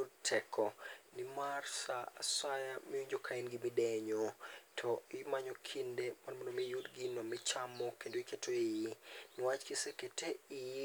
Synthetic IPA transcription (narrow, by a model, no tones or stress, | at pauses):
utʰɛkʰɔnimarsasajamiwuɲd͡ʒokʰainɡimidɛɲotʰɔɪmaɲokʰindemanmɔndomijutɡinɔmit͡ʃamɔkendoiketʰoijinɪwat͡ʃkiseketʰei